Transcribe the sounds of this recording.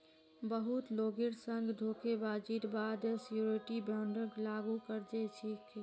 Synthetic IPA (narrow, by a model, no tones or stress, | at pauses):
bəɦut̪loɡiɾsəŋɡd̪ʱokebad͡ʒit̪bad̪sjuɾiʈibjaɳɖəɡlaɡukəɾd͡ʒet͡ʃʰiki